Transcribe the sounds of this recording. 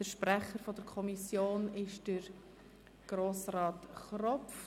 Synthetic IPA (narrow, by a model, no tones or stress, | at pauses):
dəʃpɾɛχəɾfɔd̥əɾkʰɔmisjoːnɪʃd̥əɾ | ɡ̥ɾoːsrɑːtχrɔf